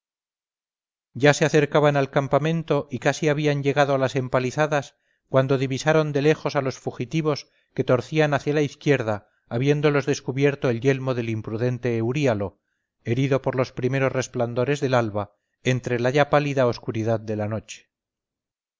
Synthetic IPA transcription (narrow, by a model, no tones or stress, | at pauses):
ɟ͡ʝase̞aθe̞ɾkaβanalkampamẽ̞nt̪o̞ʔikasiaβiaɲʎe̞ɣaðo̞alase̞mpaliθaðas | kwand̪oðiβisaɾo̞nd̪e̞le̞xo̞salo̞sfuxit̪iβ̞o̞s | ke̞t̪o̞ɾθianaθjalaiθkje̞ɾðaː | βje̞nd̪o̞lo̞zðe̞skuβje̞ɾt̪o̞e̞lʝe̞lmo̞ðe̞limpɾuðe̞nt̪e̞ːwɾialo̞ | e̞ɾiðo̞po̞ɾlo̞spɾime̞ɾo̞sre̞spland̪o̞ɾe̞zðe̞lalβa | ent̪ɾe̞laʝapaliðao̞skuɾið̞aðd̪e̞lano̞t͡ʃe̥